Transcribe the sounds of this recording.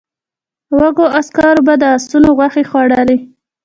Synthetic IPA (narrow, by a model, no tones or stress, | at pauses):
waɡoaskɑɾobad̪əast̪unoɣwaxexwɑɽali